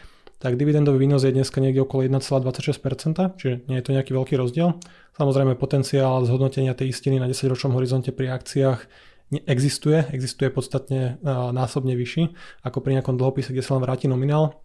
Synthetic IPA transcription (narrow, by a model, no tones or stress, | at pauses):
t̪aɡd̪iʋid̪ɛnd̪ɔʋiʋiːnɔzjɛd̪ɲɛskaɲɪɛɡɟɛɔkɔlɔjɛd̪nat͡sɛlaːd̪ʋat͡sacʃɛsc̚ʲpɛɾt͡sɛnt̪at͡ʃiʒɛɲɪɛjɛt̪ɔɲɛakiːʋɛlkiːɾɔzɟɪɛl | samɔzɾɛjmɛpɔt̪ɛnt͡siaːlzɦɔd̪nɔcɛɲɪat̪ɛjiscininaɟɛsaɟɾɔt͡ʃnɔmɦɔɾizɔncɛpɾiakt͡siaːx | ɲɛʔɛɡzist̪ujɛɛɡzist̪ujɛpɔt̪st̪at̪ɲɛnaːsɔbɲɛʋiʃiakɔpɾiɲɛakɔmd̪l̩ɦɔpiːsɛɡɟɛsalɛnʋɾaːciːnɔminaːl